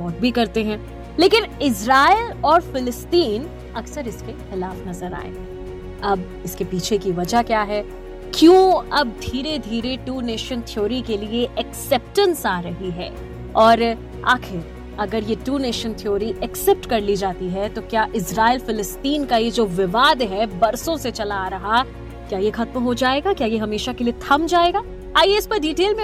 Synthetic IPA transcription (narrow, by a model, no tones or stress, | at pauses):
ɔːt̪̚bʱikɐɾt̪eɦɛ̃ː | leːkɪnɪzɾaːɪlɔːɾfɪlɪst̪iːn | ɐksəɾɪskexɪlaːfnɐzəɾa̰ːḛ | ɐb̚ | ɪskepiːt͡ʃʰekiʋɐd͡ʒakjaːɦɛ | kjõːɐb̚d̪ʱiːɾed̪ʱiːɾeʈuːneːʃə̃nt̪ʰɪjoːɾikelieʔɛksɛp̚ʈə̃nsaːɾɐɦiɦɛː | ɔːɾ | a̰ːkʰɪɾ | ɐɡəɾjeʈuːneːʃənt̪ʰijoːɾiʔɛksɛp̚ʈkɐɾlid͡ʒaːt̪iɦɛt̪okjaːʔɪsɾaːelfɪlɪst̪iːnkajed͡ʒoːʋɪʋaːd̪ɦɛbɐɾsõset͡ʃɐlaːɾɐɦa | kjaːjexɐt̪mɦod͡ʒaːeːɡakjaːjeɦɐmeːʃakeliet̪ʰɐmd͡ʒaːeːɡaː | aːijeɪspɐɾɖiːʈeːlmẽ